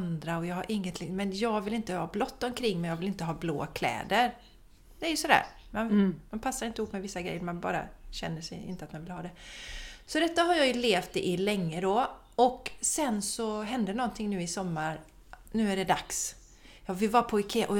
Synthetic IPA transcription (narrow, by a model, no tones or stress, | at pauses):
nd̪ɾaɔjɑːɦaɾʔɪŋːət̪ʰlɪmɛnjɑːɡvɪlɪnt̪əhɑːblɔt̪ːɔmkʰɾɪŋːmɛjɑːɡvɪlɪnt̪əɦɑːblo̰ːkʰlɛ̰ːd̪əɾ | d̪ɛæɾjɵsɔd̪æ̰ːɾ | manmanpʰasːaɾɪnt̪əɪhuːpːmɛvɪsːaɡɾɛ̰jːəɾmanbɑ̰ːɾa̰ɕɛ̰nːəʂɛ̰jɪ̰nt̪əat̪manvɪlhɑːd̪ɛ | sɔd̪ɛt̪ːaɦaɾjɑjɵleːft̪ɛʔɪlɛŋːəd̪ɔ | ɔksɛnsɔɦɛnd̪ənɔnt̪ʰɪŋnʉ̟ːɪsɔmːaɾ | nʉ̟ːæɖɛd̪a̰ks | jɑːvɪlvɑːɾapʰɔɪkʰeːʔɔ